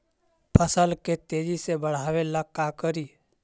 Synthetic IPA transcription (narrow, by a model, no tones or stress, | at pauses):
pʰəsəlket̪ed͡ʒisebəɽ̤aʋelakːakəɾi